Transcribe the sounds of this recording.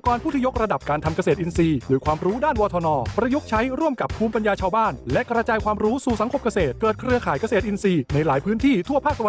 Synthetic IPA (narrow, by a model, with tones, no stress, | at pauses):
kɔː˧npʰuː˥˩t̪i˥˩jo˦˥k̚ɾa˧da˨˩p̚kaː˧nt̪ʰa˧mka˧seː˨˩t̪ʔi˧nsiː˧dɤː˨˩˦jkʰwaː˧mɾuː˦˥daː˥˩nwɔː˧t̪ʰɔː˧nɔː˧pɾa˧ju˦˥k̚t͡ɕʰa˦˥jɾu˥˩əmka˨˩p̚ʰːuː˧mpa˧njaː˧t͡ɕʰaː˧wbaː˥˩nlɛ˦˥ʔkɾa˧t͡ɕaː˧jkʰwaː˧mɾuː˦˥suː˨˩sa˨˩˦ŋkʰo˧mka˧seː˨˩t̪̚kɤː˨˩t̪̚kʰɾɯ˧əkʰaː˨˦jka˧seː˨˩t̪ʔi˧nsiː˧na˧jlaː˩˦jpʰɯː˦˥nt̪ʰiː˥˩t̪ʰu˥˩pʰaː˥˩k̪̚a˧a˧